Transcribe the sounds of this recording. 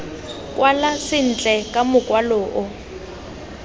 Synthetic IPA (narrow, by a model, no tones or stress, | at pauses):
kʼwalasɪn̩t͡ɬʼɛkʼamʊkʼwaloːʔʊ